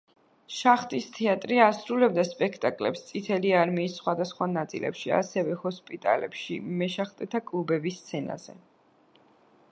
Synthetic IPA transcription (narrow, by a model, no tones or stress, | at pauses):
ʃaχt̪ʼist̪ʰɛat̪ʼɾiasɾulɛbd̪aspʼɛkʰt̪ʼakʼlɛ̰pst̪sʼit̪ʰɛliaɾmiːsːχwad̪asχwanat̪sʼḭlɛ̰pʃia̰sɛvɛhɔspʼit̪ʼa̰lɛ̰pʃḭmɛʃaχt̪ʼɛt̪ʰakʼlˠubɛbist̪sʰɛna̰z̥ɛ̰